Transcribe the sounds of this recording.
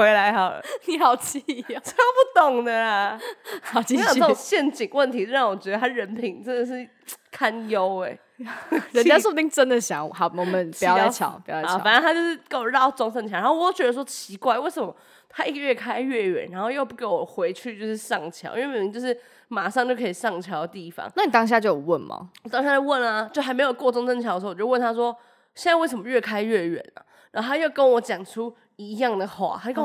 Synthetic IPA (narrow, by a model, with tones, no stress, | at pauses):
we˧˦˥ɪla˧˥ɪxɑ˨˩ʊ̰˦ni˨˩xɑ˨˩ʊt͡ɕʰi˥t͡ɕpu˥˩t̪oʊ˨˩ŋnə˨˦˧ | i˧˥˨ə˥˩ʊ˨˩ŋɕjɛ˥˩nt͡ɕi˨˩ŋwə˥˩nt̪ʰi˧˥˧ɑ˥˩ŋwɔ˨˩t͡ɕɥɛ˧˥d̪ə˧a˥ɻə˧˦npʰi˧˩ŋʈ͡ʂə˦˥nd̪ə˨ʂ̬ɻ̩˥˩ | kʰa˥njo˦ʊe˨˩ɪ | ɻə˧˦nt͡ɕja˥so˥˩pu˧t̪i˥˩ŋʈ͡ʂə˦nd̪ə˨ɕjɑ˨˦ŋ˨ɦɑ˨˩ʊmɔ˨˩mə˨˦n˨˥˨a˥˩t͡ɕʰjɑ̰˨˦ʊpi˨˥˨a˨nə˥˦nt̪ʰa˥t͡ɕjo˥˧ʊʂɻ̩˥˧˩ke˥wɔ˨˩ɻɑ˥˩ʊt͡sɔ˥ŋsʂə˥˩ŋt͡ɕʰːxo˥˧˨t̪o˥ʊt͡ɕɥɛ˧d̪ə˧ʂ̬wɔ˥t͡ɕʰi˧˥kwa˥˧ɪwe˥˩ɪsə˨˩mə˦ | t̪ʰa˥i˥˩ɡə˩ɥɛ˥˩kʰa˥ɪɥɛ˥˩ɥɛ̰˨˩nɻa˧˥nxo˥˧jo˥˧pu˥˩ke˧˥ɪwɔ˨˩xwe˧˥ɪt͡ɕʰy˥˧t͡ɕjo˥˧ʊʂɻ̩˥˧ʂɑ˥˨˩ŋt͡ɕʰjɑ̰˨˥ʊʔḭ˧wt͡ɕjo˥˧ʊʂ̬ɻ̩˥˩ | ma˨˩ʂɑ˥˧ŋt͡ɕjo˥˧ʊkʰe˧˥i˨˩ʂɑ˥˩ŋt͡ɕʰjɑ˧˦ʊə˧t̪i˥˩fɑ̰˦ŋna˥˩ni˨˩t̪ɑ˥ŋɕ̬ja˥˧t͡ɕjo˥˧ʊ˨˩wə˥˩nmɐ̰˩wt̪ɑ˥ŋɕja˥˧˩t͡ɕjo˥˧wə˥˩nɐ˨t͡ɕjʊxa˧˥me˧˥jo˨ʊkwɔ˥˧t͡sʊ˥ŋsə˥˧nt͡ɕʰɑ˧˥də˧˨˩wə˥˨nʰa˥s̬wɔ˦˥ | ɕjɛ˥˧na˥˧wʂə˨˩mə˦˧ɥɛ˥˩kʰa˥ɪɥɛ˥˩ɥɛ̰˨˩˦nə̰˩ | ɻa˧˥o˥˩t̪ʰa˥jo˥˩kə˦nwɔ˨˦t͡ɕjɑ˨˩ŋʈ͡ʂʰu˦ | i˧˥jɑ˥˩ŋd̪ə˩xwa̰˥˩xkə˥